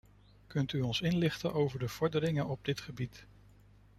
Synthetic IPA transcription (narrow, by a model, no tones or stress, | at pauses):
kɵntyɔnsɪnlɪχtənʔowvəɹdəv̥ɔɹdəɾɪŋənɔb̚dɪtχəbit